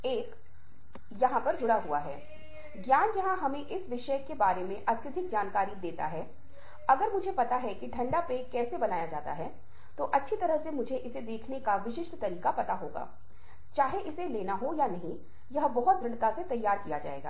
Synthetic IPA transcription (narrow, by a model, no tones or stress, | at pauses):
eːk | jɐɦãpɐɾd͡ʒʊɽaɦua̰ɦɛ̰ː | ɡjaːnjɐɦãɦɐmẽʔɪsʋɪʃəkːebaːɾemẽʔɐt̪jəd̪ʱɪk̚d͡ʒaːnkaːɾid̪eːt̪a̰ɦɛː | ɐɡəɾmʊd͡ʒʱepɐt̪aɦɛkiɖʰʱɐ̃ɳɖapekɛːsebɐnaːjad͡ʒaːt̪a̰ɦɛ | t̪oʔɐtːʃʰit̪ɐɾəɦsemʊd͡ʒʱeʔɪsed̪eːkʰnekaʋɪʃɪʃʈt̪ɐɾiːkapɐt̪aɦo̰ːɡa̰ː | t͡ʃaːɦeʔɪseleːnaɦojanɐɦĩ | jɐɦbɐɦɔt̪̚ɡɾɪ̃ɽt̪aset̪ɐjːaːɾkijad͡ʒa̰ːḛːɡa̰ː